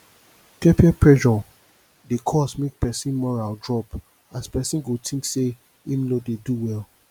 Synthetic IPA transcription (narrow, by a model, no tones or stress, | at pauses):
pɛpiɛpʰɹɛʒɔ | dekʰɔsmek̚pɛsĩnmɔɹaldɹɔp | aspɛsĩnɡotʰĩŋkse | ĩnlodeduwɛl